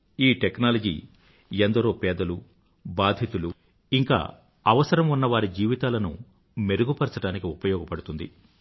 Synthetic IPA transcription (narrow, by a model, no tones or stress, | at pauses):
iːʈeknaːlɐd͡ʒḭ | end̪ɐɾoːpɛːd̪ɐlu | baːd̪ʱjɐt̪ulu | iŋka̰ː | ɐʋɐsɐɾɐmunːɐʋaːɾid͡ʒiːʋit̪aːlɐnṵ | me̞ɾuɡupɐɾsɐʈaːnikiupɐjɔːɡɐpɐɽut̪und̪ḭ